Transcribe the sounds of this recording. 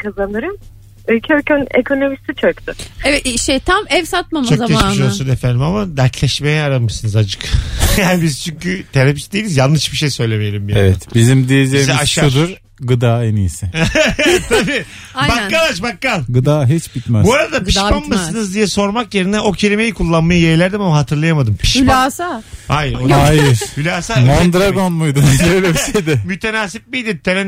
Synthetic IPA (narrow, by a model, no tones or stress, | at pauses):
kʰazanɯɾɯm | ølʲcʰølkønekʰo̞no̞mist̪it͡ʃʰøkt̪ʊevɛiʃejt̪ʰamɛvsat̪̚mamt͡ʃaoaeiʃolsunefænd̪imamad̪æɾt̪ʰlʲɛʃmejɛaɾanmɯʃsɯnɯzad͡ʒɯkjaːnibiz̥t͡ʃʰyɲcyt̪ʰeɾapisd̪ejilʲizjanˠɯʃbiʃejsø̞jlʲe̞mejeɾimbjaevɛt̪bizimd̪ijed͡ʒeijzɛaʃʃaud̪uɾ | ɡɯd̪aːenijsɪ | t̪ʰabiː | bakːalˠat͡ʃbakːalˠɡɯd̪aːɦit͡ʃbit̪mɛbuaɾad̪aiʃpanmasɯnɯzd̪ijɛso̞ɾmakjeɾind̪ɛo̞cʰe̞lʲime̞jikʰulˠːanmajɯjejlʲæɾd̪imamaɦat̪ʰɯɾlˠajamad̪ɯmpʰiʃpaaːsahajɾodaajɾhylʲaːsamond̪ɾaɡonmujd̪uøjlɛbised̪ɛmyt̪ʰenaːsip̚bijd̪it̪ʰeɾɛ